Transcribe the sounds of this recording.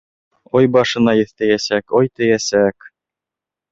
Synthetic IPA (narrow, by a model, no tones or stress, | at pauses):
ɒjbɑʃɤ̆nɑjɘ̆θt̪æjæsækɒjt̪ɘ̆jæsæk